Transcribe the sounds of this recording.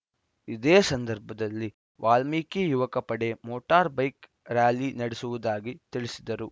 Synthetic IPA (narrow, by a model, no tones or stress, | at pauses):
id̪eːsɐnd̪ɐɾbʱɐd̪ɐlːi | ʋʔaːlmiːkijuʋɐkɐpɐɽe̞moːʈaːɾbɐjk | ɾaːlinɐɽesuʋud̪aːɡit̪iɭisid̪ɐɾu